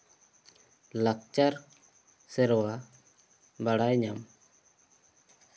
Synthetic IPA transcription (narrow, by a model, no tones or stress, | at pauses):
lak̚t͡ʃaɾ | sɛɾɔwa | baɽajɲam